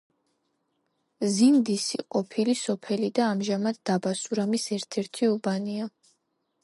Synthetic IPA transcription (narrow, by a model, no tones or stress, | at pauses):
zind̪isiqʼɔpʰilisɔpʰɛlid̪aːmʒamad̪d̪abasuɾamisɛɾt̪ʰɛɾt̪ʰiubania